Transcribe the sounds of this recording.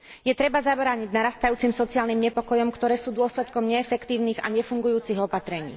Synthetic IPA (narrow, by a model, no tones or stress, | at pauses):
jɛt̪ɾɛbazabɾaːɲiɟnaɾast̪ajuːt͡simsɔt͡sɪaːlnimɲɛpɔkɔjɔmkt̪ɔɾɛːsuːd̪ʊɔslɛt̪kɔmɲɛːfɛkt̪iːʊniːɣa̰ɲɛfuŋɡujuːt͡siɣɔpat̪ɾɛɲḭː